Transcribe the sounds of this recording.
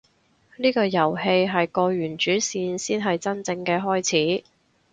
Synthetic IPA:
niː˥kɔː˧jɐ˨˩whe˧jɦɐ˨jkɔː˧ɥyː˨˩nt͡ʃyː˨˥siː˧nsiː˥nɦɐ˨jt͡sɐ˥nt͡sɪ˧ŋkɛː˧ɦɔː˥jt͡sʰiː˨˥

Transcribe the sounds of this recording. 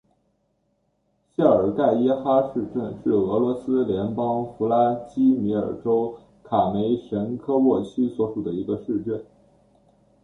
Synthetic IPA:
ɕja˥˩ə˞˨˩ka˥˩ɪɛ˥xa˥ʂɻ̩˥˧ʈ͡ʂə˥˧nʂɻ̩˥˩ɤ˧˥lwɔ˧˥sɹ̩˥ljɛ˧˥npɑ˥ŋfu˧˥la˥t͡ɕi˥mi˧˥ə̰˞˨˩ʈ͡ʂo˥ʊ | kʰa˨˩me˧˥ɪʂə˧˥nkʰɤ˥wɔ˥˩t͡ɕʰy˥swɔ˧˥ʂu˨˩d̪ə˦i˧˥ɡə˧ʂɻ̩˥˧ʈ͡ʂə˥˩n

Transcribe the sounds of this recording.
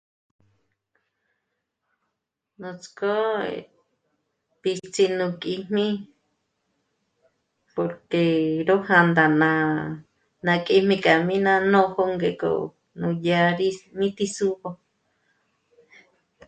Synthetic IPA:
nũ˧t͡sko˦ḛ | pi˧t͡si˧nũ˧kʼi˧m̥mĩ˦ | po˧ɾke˧ɾo˦hã˧nd̪a˨nã˧ | nã˧kʼi˧mĩ˧kʼa˨mĩ˦nã˧nõ˦˧ho˦ŋɡe˧˨ko̰˧˨ | nũ˧ja˧ɾi˦mĩ˦t̪i˧su˦βo˧

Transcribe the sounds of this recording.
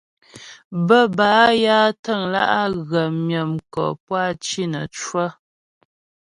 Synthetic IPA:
bə˦baː˨˦ja˦tə˦˨ŋla̰˦ʔa˦ɣə˨mjə˨mkɔ̰˨p̚wa˦˨t͡ʃi˦nə˨t͡ʃwə˦

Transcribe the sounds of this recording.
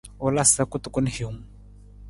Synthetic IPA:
ɔ˨la˦sa˦kʊ˦t̪ʊ˨kʊ˦n˦hi˨˦m

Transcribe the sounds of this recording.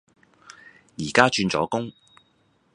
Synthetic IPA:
jiː˨˩kaː˥t͡ʃyː˧nt͡sɔ̰ː˨˥kʊ˥ŋ

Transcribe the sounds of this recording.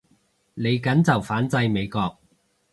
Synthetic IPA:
le˨˧jkɐ˨˥nt͡sɐ˨wfaː˨˥nt͡sɐ˧jme˨˧jkɔː˧k̚

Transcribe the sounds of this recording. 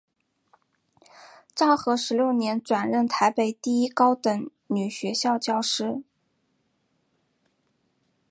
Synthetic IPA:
ʈ͡ʂɑ˥˩ʊxɤ˧˥ʂɻ̩˧˥ljo˥˩ʊnjɛ˧˥nʈ͡ʂwa˨˩nɻə˥˩nt̪ʰa˧˥ɪpe˨˩ɪt̪i˥˩i˥kɑ˥ʊt̪ə˨˩˥ŋ | ny˨˩ɕɥɛ˧˥ɕjɑ˥˧ʊt͡ɕjɑ˥˧ʊʂɻ̩˥

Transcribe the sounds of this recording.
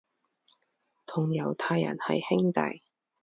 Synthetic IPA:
t̪ʰʊ˨˩ŋjɐ˨˩wt̪ʰaː˧jːɐ̰˨˩nhɐ̰˨jhɪ˥ŋt̪ɐ̰˨j

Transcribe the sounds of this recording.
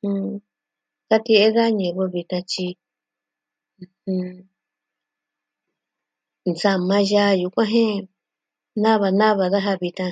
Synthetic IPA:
hũ˧ | ka˦t̪i˧e˦ða˦ɲẽ˨βo˧βi˧t̪ã˧t͡ʃi˧ | hũ˧ | nd͡za˧mã˧ʒa˧˦ju˧kʷã˦ɦẽ˦ | nã˦βa˧nã˦βa˧ða˦ɦa˧βi˧t̪ã˧

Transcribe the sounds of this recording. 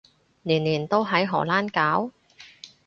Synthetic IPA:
liː˨˩nliː˨˩nt̪o˥wɦɐ˨˥jɦɔ̰ː˨˩laː˥nkaː˨˥w

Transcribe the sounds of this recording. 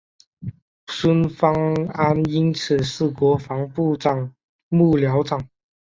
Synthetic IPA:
sə˥nfɑ˥ŋa˥ni˥nt͡sʰɹ̩˨˩ʂɹ̩˥˩kwɔ˧˥fɑ˧˥ŋpu˥˧ʈ͡ʂɑ˨˩ŋ | mu˥˩ljɑ˧˥ʊʈ͡ʂɑ˨˩ŋ

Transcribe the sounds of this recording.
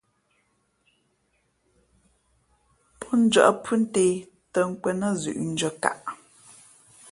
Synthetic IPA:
pʰɔ˦n̩˦d͡ʒɥə̰˨ʔpʰʉ˦n̩˦te˨ | tə˨ŋ̩˦kwɛ˨nə˦zʉ̰˨ʔn̩˦d͡ʒə˦ka̰˨ʔ

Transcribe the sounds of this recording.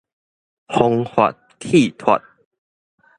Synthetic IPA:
hɔ˧ŋhwa̰˨t̚kʰi˥˧˨t̪ʰwa̰˨t̚

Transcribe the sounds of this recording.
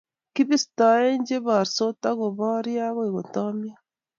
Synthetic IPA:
ki˦βi˦sta˨e˦ɲd͡ʒe˦βa˨ɾso˦ta˦ɣo˨βa˦ɾja˦ɣo˦i˨ɣo˨ta˦mi˦a˦

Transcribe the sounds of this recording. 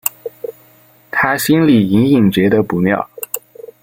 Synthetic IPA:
t̪ʰa˥ɕi˥nli˨˩i˧˥ni˥˩ŋt͡ɕɥɛ˧˥d̪ə˧pu˧˥mjɑ̰˥˩ʊ

